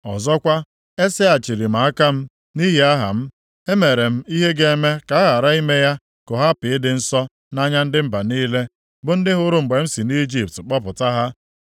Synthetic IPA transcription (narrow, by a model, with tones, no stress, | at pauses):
ɔ˨zɔ˦kʷa˦ | e˦se˦a˨t͡ʃi˨ɾi˨m̩a˨a˦ka˦m̩˦ | ni˦ɦi˦a˦ɦa̰˨m̩˦ | e˦me˨ɾe˨m̩˦i˦ɦe˦ɡe˦e˦me˦ka˨a˦ɣa˨ɾa˦i˦me˦ja˦ | kʊ˨ɦa˦pɪ˨ɪ˦dɪ˨n̩˦sɔ˦ | na˦ɲa˦n̩˦dɪ˦m̩˦ba˨niː˦le˦ | bʊ˨˦n̩˦dɪ˦ɦʊ˦ɾʊ˨ŋ͡m̩˨ɡ͡be˨m̩˦si˨ni˦d͡ʒi˨p̚tk͡pɔ˦pʊ˨ta˦ɦa˦